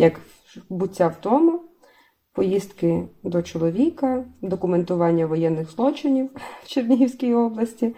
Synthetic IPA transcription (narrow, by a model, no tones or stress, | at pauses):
jɐk | bʊtʲːawt̪ɔmʊ | pɔjist̪kɪd̪ɔt͡ʃɔlˠɔʋʲikɐd̪ɔkʊment̪ʊʋɑnʲːɐʋɔjɛnːɪxzlˠɔt͡ʃɪnʲiwwt͡ʃernʲiɦiwsʲkʲijɔblˠɐsʲtʲi